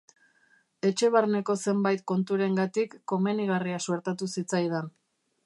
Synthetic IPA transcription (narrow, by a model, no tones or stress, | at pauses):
e̞t͡ʃe̞βaɾne̞ko̞se̞mbajt̪ko̞nt̪uɾe̞ŋɡat̪ikːo̞me̞niɣ̞ariasueɾt̪at̪usit͡sajðen